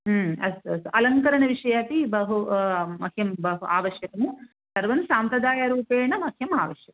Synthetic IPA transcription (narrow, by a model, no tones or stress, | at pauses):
mɐ̰sɐsʔɐlɐŋkɐɾɐɳɐʋiʂɐjaːt̪ibɐɦumɐkʰjɐmbɐɦuaːʋɐʃjɐt̪ɐmu | sɐɾʋɐnsaːmpɾɐd̪aːjaɾuːpeːɳɐmɐkʰjɐma̰ːʋɐʃjɐkɐ